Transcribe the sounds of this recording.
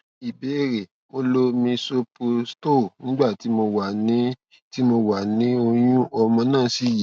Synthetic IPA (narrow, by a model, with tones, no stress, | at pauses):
i˨be˨˦e˦˨ɾe˨ | mo˧lo˦mĩ˧so˧pu˧sto˦˨nĩ˨˦ɡ͡ba˦˨ti˨˦mo˧wa˨nĩ˦ | ti˦mo˧wa˨nĩ˨˦o˧j̃ũ˦ʔɔ˧mɔ̃˧nãː˦˨˦si˨˦ji˨